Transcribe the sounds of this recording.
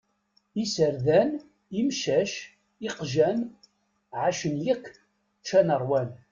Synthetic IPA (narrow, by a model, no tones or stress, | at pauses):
isəɾðæn | imʃæʃ | ɪqʒæn | ʕaʃənjəkː | t͡ʃːænəɾˤwæn